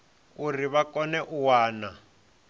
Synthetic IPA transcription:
uriβakɔnɛʔuwaːna

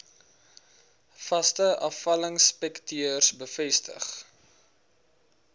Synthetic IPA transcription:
fɐstəʔɐfɐləŋspɛktiərsbəfɛstə̰χ

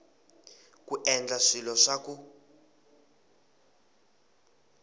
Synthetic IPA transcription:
kuʔɛnd͡ɮaʂilɔʂakʼu

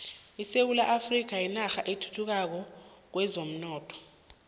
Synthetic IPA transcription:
isewulaʔafrik̬ajinaxaʔetʰu̥tʰuk̬ak̬ɔk̬wɛzom̩nɔːtʰɔ̥

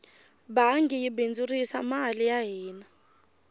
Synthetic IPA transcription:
baŋɡijibend͡zurisa̰malijaɦiːna

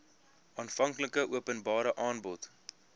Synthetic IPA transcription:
ʔɑːnfɐŋkləkəʔuəpənbɑːɾəʔɑːnbɔt

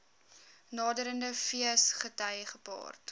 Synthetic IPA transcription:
nɑːdəɾəndəfiəsχətɐjχəpɑ̰ːrt

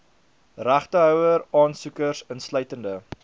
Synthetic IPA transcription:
ræχtəɦœwəɾɑːnsukərsənslœɥtəndə

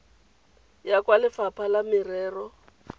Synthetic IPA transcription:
jakʼwalɪfapʰalamɪrɛːrɔ

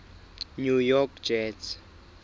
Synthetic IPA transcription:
nujɔkd͡ʒɛs

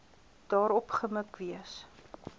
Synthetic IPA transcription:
d̥ɑːɾɔpχəməkviəs

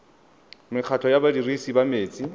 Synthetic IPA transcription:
mɪq͡χʰatʰɔjabadirisibameːt͡sʼi

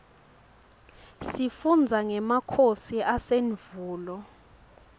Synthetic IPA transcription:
sifund͡zʱaŋɛmakʰosiʔaseɱvuːlɔ

